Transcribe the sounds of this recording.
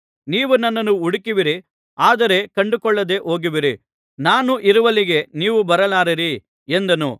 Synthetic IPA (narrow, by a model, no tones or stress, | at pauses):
niːʋunːɐnːɐnuuɽikiʋiɾi | aːd̪ɐɾe̞kɐɳɖukɔɭːɐd̪e̞ʔo̞ːɡiʋiɾi | naːnuʔiɾuʋɐliɡe̞niːʋubɐɾɐlaːɾiɾi | end̪ɐnṵ